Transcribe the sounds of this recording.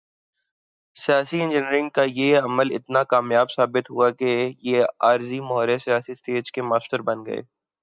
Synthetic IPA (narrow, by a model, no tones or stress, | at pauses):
sijaːsiɛ̃nd͡ʒɪniɾɪ̃ŋɡkajeɐməlɪ̰t̪nakaːmjaːbsaːbɪt̪ɦuakejeaːɾzimɐɦɔːɾesijaːsist̪eːd͡ʒkemaːst̪əɾbɐnɡɐ̰ḛː